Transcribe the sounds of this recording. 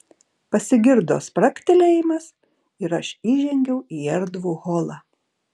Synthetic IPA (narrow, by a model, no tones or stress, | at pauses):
pɐsʲɪɡʲɪɾd̪o̰ːspɾɐkʲt̪ʲɪlʲeːjɪmɐs | ɪɾɐʃiːʒʲɛŋʲɡʲɛʊʔiːɛɾd̪ʋuːɣoːlˠɑː